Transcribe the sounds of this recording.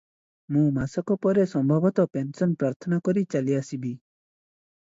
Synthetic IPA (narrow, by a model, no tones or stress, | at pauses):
mũmasɔkɔpɔɾesɔmbʱɔbɔt̪ɔpensɔnpɾaɾt̪ʰɔnakɔɾit͡ʃaliasibi